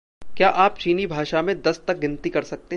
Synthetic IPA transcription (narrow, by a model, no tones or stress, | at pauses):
kjaːʔaːpt͡ʃiːnibʱaːʃamẽd̪ɐst̪ɐk̚ɡɪ̃nt̪ikɐɾsɐk̚t̪e